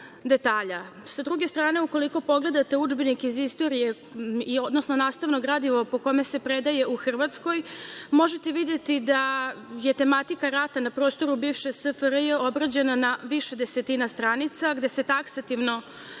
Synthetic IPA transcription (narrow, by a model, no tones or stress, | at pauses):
d̪e̞t̪aːʎa | sad̪ɾuɡe̞st̪ɾaːne̞uko̞liko̞po̞ɡle̞d̪at̪eud͡ʒbinikizist̪o̞ɾije̞ | iod̪nosno̞naːst̪aʋnoɡɾad̪iʋopo̞kome̞se̞pɾed̪aje̞uxr̩ʋat̪sko̞jmo̞ʒe̞t̪e̞ʋid̪jet̪id̪aje̞t̪e̞mat̪ikaɾat̪anapɾo̞ːst̪o̞ɾubiːʋʃesəfɾjeo̞bɾad͡ʑe̞nanaʋiʃed̪eset̪inast̪ɾaːnit̪saɡd̪e̞se̞t̪aksat̪iʋno̞